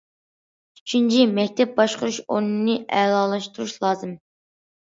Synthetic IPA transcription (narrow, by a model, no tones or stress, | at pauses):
yt͡ʃʰynt͡ʃʰimɛkʲt̪ʰɛp̚bɑʃqʊɾuʃo̰nɨnɨʔɛːlˠɑːlˠɑʃt̪uɾuʃlˠɑːzɨm